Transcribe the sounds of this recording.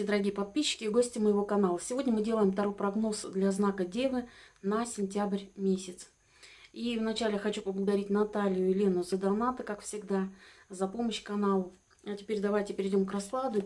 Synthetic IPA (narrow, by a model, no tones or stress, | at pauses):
ɪd̪əɾɐɡʲijəpɐt̪̚pʲiɕːɪ̥kʲɪɡosʲtʲɪməjɪvo̞kɐnalˠəsʲɪvo̞dʲnʲəmɨdʲe̞lˠəjɪmt̪ɐɾo̞jpɾɐɡno̞sd̪lʲɐznakədʲevɨnɐsʲɪnʲtʲabrʲmʲesʲɪt̪s | ivnɐt͡ɕælʲɪxɐt͡ɕuplb̪lˠɡəd̪ɐɾʲitʲnɐt̪alʲɪjʊɪlʲe̞nːʊzəd̪ɐnat̪ɨkakfsʲɪɡd̪azɐpo̞məɕkɐnalˠʊ | ɐtʲɪ̥pʲeɾʲd̪ɐvajtʲɪpʲɪɾʲɪdʲo̞mkrɐslˠad̪ʊ